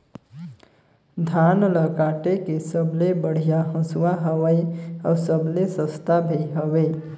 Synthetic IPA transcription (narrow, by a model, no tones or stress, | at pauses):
d̪ʱanləkaːʈekesəblebəɽ̤ijaɦə̃swaɦəʋəjəwsəblesəst̪ʰabʱejɦəʋe